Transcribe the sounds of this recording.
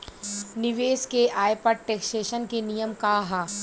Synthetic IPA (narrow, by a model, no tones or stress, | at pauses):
nɪʋeːskeʔaːjpɐʈ̚ʈeːksʈeːʃənkenijəmkaːɦa